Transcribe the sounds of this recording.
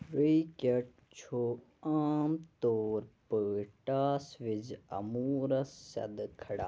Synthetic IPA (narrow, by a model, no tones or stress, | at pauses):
ɾiːkɐʈ̚ | t͡ʃʰoː | aːmt̪oːɾpəːʈaːsʋɪd͡ʒɐ̰muːɾɐsːɐ̰d̪kʰɐɽa̰ː